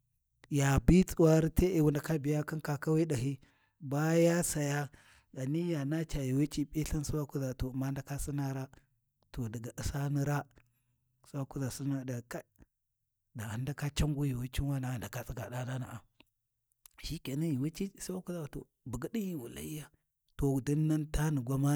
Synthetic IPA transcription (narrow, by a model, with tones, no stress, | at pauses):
ja˨bi˦t͡sʼu˨wa˦ɾi˦te˦ʔe˨wu˨nda˨ka˦bi˨ja˦ki˦ka˨ka˦wi˦ɗa˨ɦi˦ | ba˦ja˦sa˨ja˦ | ɡa˨ni˦ja˨na˦t͡ʃa˨ji˨we˦t͡ʃi˦pʼi˦ɬa˦n˦su˦wa˦ku˦za˨to˨ma˦nda˦ka˦si˦na˦ɾa˦ | to˨da˨ɡa˨ʔi˨sa˦ni˦ɾa˦ | su˦wa˦ku˦za˨si˦na˦da˨ka˦ | da˨a˨nda˦ka˦t͡ʃa˦ŋɡu˦ji˨wi˦t͡ʃi˦nwa˦na˨a˨nda˨ka˨t͡si˦ɡa˨ɗa˦da˦na̰˨ʔa˨ | ʃi˦ke˨na˦ji˨wi˦t͡ʃi˦su˦wa˦ku˦za˦wa˨to̰˨ | bu˨ɡi˦di˦ji˦˨wu˨la̰˨i˦ja˦ | to˨di˦nːa˦nta˦ni˨ɡʷa˦ma˦